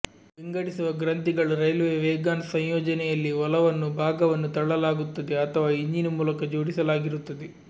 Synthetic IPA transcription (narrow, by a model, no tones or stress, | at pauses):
ʋiŋɡɐɽisuʋɐɡɾɐnt̪iɡɐɭuɾɐjlʋeːʋeːɡaːnsɐɲjɔːd͡ʒɐnɛjɐlːiʋɐlɐʋɐnːubʱaːɡɐʋɐnːut̪ɐɭɭɐlaːɡut̪ːɐd̪eɐt̪ʰɐʋaːiɲd͡ʒinumuːlɐkɐd͡ʒoːɽisɐlaːɡiɾut̪ːɐd̪e